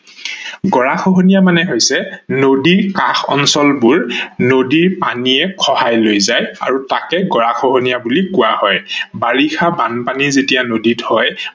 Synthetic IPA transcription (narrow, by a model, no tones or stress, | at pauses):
ɡɔɹaxɔɦonijamanɛɦojsɛnodiɹkaxɔ̰nsɔlbuɹnodiɹpa̰niɛkʰɔhajlojzaja̰ɹuta̰kɛɡɔɹaxʰɔɦonijabulikʊwahɔjbaɹixabanpanizetijanodithɔj